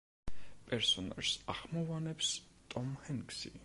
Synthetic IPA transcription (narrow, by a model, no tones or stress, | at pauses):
pʼɛɾsɔna̰ɾsaχmɔvanɛpst̪ʼɔmhɛŋksi